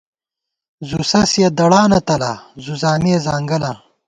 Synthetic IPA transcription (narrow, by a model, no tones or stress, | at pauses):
zusɐsijɐd̪ɐɽaːnɐt̪ɐlazuzaːmeːzaːŋɡɐla